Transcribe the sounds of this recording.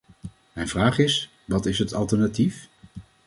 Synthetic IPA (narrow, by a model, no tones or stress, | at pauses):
mɛjnvraːχɪs | ʋɑtɪsɦətɑlˠtəɹnatif